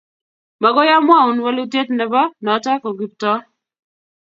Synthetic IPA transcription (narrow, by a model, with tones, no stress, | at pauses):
ma˨ɡɔ˦ja˦mwa˦˨ʊ˨nwa˦lu˦tje˦tnɛ˨bɔ˦nɔ˨˦ta˦kɔ˨ɡi˨p̚tɔ˦